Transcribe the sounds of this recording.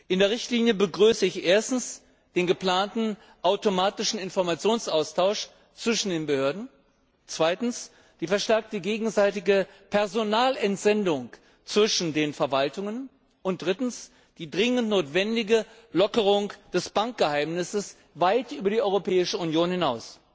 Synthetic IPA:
ʔɪndeːɐʁɪçtliːnjəbəɡʁyːsəɪçʔeːɐstn̩s | d̥eːnɡəpl̥aːntn̩ | ʔaʊtomaːtɪʃn̩ɪnfɔɐmat͡sjoːnsʔaʊstʰaʊʃ | t͡sv̥ɪʃn̩deːnbəhøːɐdn̩ | t͡sv̥aɪtn̩s | d̥iːfɛɐʃtɛɐk̚təɡeːɡŋ̩zaɪtɪɡəpʰɛɐzonaːlɛntz̥ɛndʊŋ | t͡sv̥ɪʃn̩deːnfɛɐvaltʊŋən | ʔʊnt̚d̥ʁɪtn̩s | d̥iːdʁɪŋəntnoːtv̥ɛndɪɡə | lɔkəʁ̞ʊŋd̥ɛsb̥aŋk̚ɡ̥əhaɪmnɪsəs | vaɪtʔyːbɐdiːʔɔʏʁopʰɛːɪʃəʊnjoːnhɪnaʊs

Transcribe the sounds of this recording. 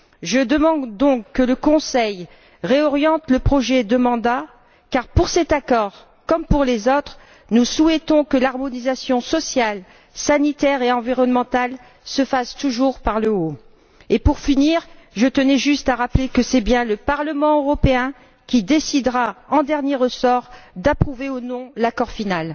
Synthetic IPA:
ʒəd̪əmɑ̃d̪d̪ɔ̃kːələkɔ̃sɛj | ʁeɔʁjɑ̃t̪ləpχɔʒɛd̪əmɑ̃d̪a | kaʁpuʁsɛt̪akɔʁ | kɔmpuʁlezot̪χ | nusuɛt̪ɔ̃kəlaʁmɔnizasjɔ̃sɔsjal | sanit̪ɛʁeɑ̃viʁɔnmɑ̃t̪al | səfast̪uʒuʁpaʁləo | epuʁfiniʁʒət̪ənɛʒyst̪aʁaplekəsɛbjɛ̃ləpaʁləmɑ̃øʁɔpeɛ̃ | kʲid̪esid̪ʁaɑ̃d̪ɛʁnjeʁəsɔʁd̪apχuveonɔ̃lakɔʁfinal

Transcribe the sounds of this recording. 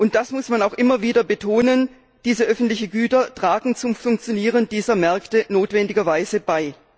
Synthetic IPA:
ʔʊnt̚d̥asmʊsmanaʊxʔɪmɐviːdɐbətʰoːnən | d̥iːzəʔœfn̩tlɪçn̩ɡyːtɐtʁ̥aːɡŋ̩t͡sʊmfʊŋk̚t͡sjoniːʁ̞əndiːzɐmɛɐktənoːtv̥ɛndɪɡɐvaɪzəb̥aɪ

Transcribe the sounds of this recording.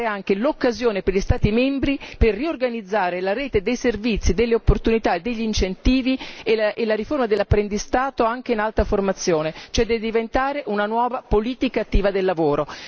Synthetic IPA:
eaŋk̟elokːazjoːneperʎist̪aːt̪imɛmbɾiperːiorɡanid̪zːaːɾelaɾeːt̪ed̪ejservit̪sːid̪elːeopːort̪unit̪aed̪ːeʎːint͡ʃent̪iːvieʔelːaɾiformad̪elːapːɾend̪ist̪aːt̪oaŋk̟einalt̪aformat̪sːjoːnet͡ʃoɛd̪ɛd̪ivent̪aːɾeʔunanwɔːvapoliːt̪ikaːt̪ːiːvad̪elːavoːɾo

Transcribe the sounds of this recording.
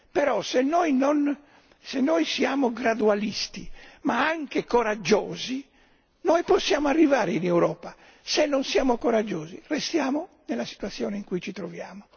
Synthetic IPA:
pɛɾɔsenːɔjnɔn | senːɔːjsiaːmoɡɾad̪ualist̪imaaŋkekoɾad͡ʒːɔːzi | nɔjpɔsːjaːmoarːivaːɾeinewɾɔːpa | senːonsjaːmokoɾad͡ʒːɔːzḭrest̪jaːmo | nelːasi̥t̪wat̪sːjɔːneiŋkujt͡ʃit̪ɾɔvjaːmo

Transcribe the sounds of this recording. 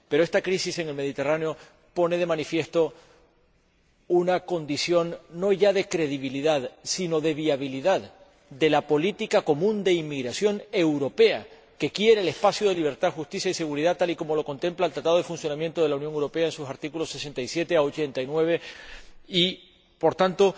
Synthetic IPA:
pe̞ɾoe̞st̪akɾisise̞ŋe̞lme̞ð̞it̪e̞raneo̞ | po̞neð̞e̞mãnifje̞st̪o̞ | unako̞nd̪isjo̞nːo̞ʝaðe̞kɾe̞ðiβ̞iliðaðsino̞ðe̞βiaβ̞iliðað | d̪e̞lapo̞lit̪ikako̞mũnd̪e̞imːiɣɾasjo̞ŋe̞wɾo̞pe̞a | ke̞kje̞ɾeːle̞spasjoðe̞liβ̞e̞ɾt̪axust̪isjaise̞ɣuɾiðat̪aliko̞mo̞lo̞ko̞nt̪e̞mplaelt̪ɾat̪aðoðefunsjo̞nãmjent̪o̞ð̞e̞launjoŋewɾo̞pe̞aensusaɾt̪ikulo̞se̞se̞nt̪aisje̞t̪e̞aot͡ʃe̞nt̪ainwe̞β̞e̞ | i | po̞ɾt̪ant̪o̞

